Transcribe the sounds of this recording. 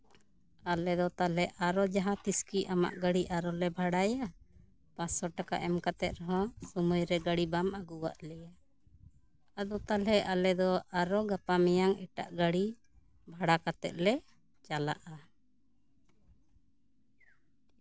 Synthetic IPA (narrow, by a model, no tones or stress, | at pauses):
alɛd̪ɔt̪alɛʔaɾɔd͡ʒaɦãt̪iskiʔama̰ʔɡaɽiʔaɾɔlɛbʱaɽaja | pãsɔʈaka̰ʔɛmkat̪ɛt̪̚ɾɔɦɔ̃sɔmujɾɛɡaɽibamaɡuwa̰ʔlɛja | ad̪ɔt̪alɛʔalɛd̪ɔʔaɾɔɡapamɛjaŋɛ̰ʈa̰ʔɡaɽi | bʱaɽakat̪ɛ̰t̪̚lɛ | t͡ʃala̰ʔa